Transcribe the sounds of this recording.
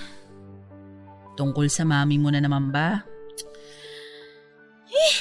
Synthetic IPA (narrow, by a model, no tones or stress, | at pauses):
t̪ʊŋko̞lsɐmaːmɪmonɐnɐmɐmba